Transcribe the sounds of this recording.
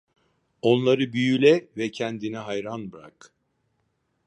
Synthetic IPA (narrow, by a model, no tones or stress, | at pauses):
o̞nlˠaɾɯbyjylʲɛvɛcʰɛnd̪inɛɦajɾanbɾa̰k